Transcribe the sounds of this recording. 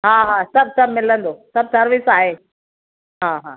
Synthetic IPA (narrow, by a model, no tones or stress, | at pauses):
ɦãːɦasɐb̚ʱsɐbmɪlə̃nd̪oːsɐb̚sɐɾʋɪsaːɦeː | ɦãːɦãː